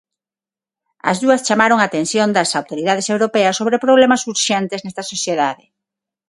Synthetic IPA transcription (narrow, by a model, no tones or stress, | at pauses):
ɐ̰zðuɐst͡ʃamaɾoŋaːt̪enθjond̪ɐsawt̪oɾiðað̞esewɾopɛɐsːoβɾepɾoβlɛmɐsuɾʃɛnt̪eznɛst̪ɐsoθjeðaðɪ